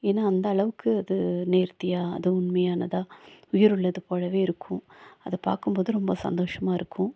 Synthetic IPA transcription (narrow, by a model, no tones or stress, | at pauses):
eːnːaːɐnd̪ɐːɭɐʋɯkːɯɐðɯneːɾt̪ːɪjaːɐ̰ðɯʊnmɐjaːnɐðaːʊjɪɾʊɭːɐðɯpoːɻɐʋeːɪɾɯkʰːʊ̃ɐðɐpa̰ːɾkɯmboːðɯɾɔmbɐsɐ̰nd̪oːʂɐmaːɪɾɯkʰːʊ̃